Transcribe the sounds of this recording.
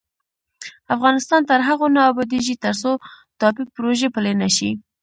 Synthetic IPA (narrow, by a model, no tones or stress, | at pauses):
afɣɑnɪst̪ɑnt̪əɾɦaɣonɑːbɑd̪iʒit̪əɾso | t̪ɑpɪpɾoʒepəlenaʃi